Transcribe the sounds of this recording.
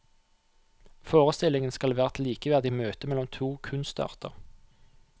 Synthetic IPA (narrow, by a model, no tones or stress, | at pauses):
foːʁəst̪ɪlɪŋənskɑlʋæːʁt̪ʰliːkəʋæʁd̪ɪmøːt̪əmɛlɔmt̪ʰuːkʰʉnst̪ɑ̰ːʁt̪ə̰ʁ